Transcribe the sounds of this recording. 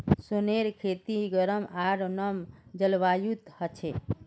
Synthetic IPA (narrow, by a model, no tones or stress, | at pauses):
soneɾkʰet̪iɡəɾəmaɾnəmd͡ʒəlʋajut̪hət͡ʃʰe